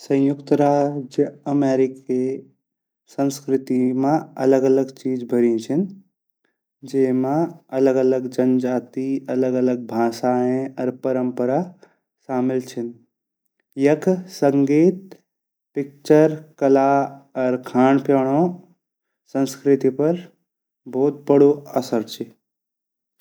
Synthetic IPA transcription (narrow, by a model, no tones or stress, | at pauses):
sɐ̃j̃jʊkt̪ɾaːd͡ʒjəmeːɾɪki | sə̃nskɾɪt̪imãɐ̰ləɡələɡt͡ʃiːd͡ʒbʱəɾĩt͡ʃʰin | d͡ʒeːɦmãɐləɡələɡd͡ʒɐnd͡ʒaːt̪iɐləɡələɡ̚bʱãːsaẽɔːɾpəɾəmpəɾa | saːmɪlt͡ʃʰən | jəkʰsəŋɡiːt̪̚ | pik̚t͡ʃəɾkəlaɔːɾkʰaːɳpjɔːɽ̃õ | sə̃nskɾit̪ipəɾ | bʱout̪̚bəɽoəsəɾt͡ʃʰi